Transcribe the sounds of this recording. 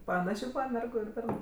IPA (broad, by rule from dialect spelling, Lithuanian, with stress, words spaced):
pɐˈnɑːʃʲeː ˈmʲɛrɡʊ ɪr ˈbʲɛrnʊ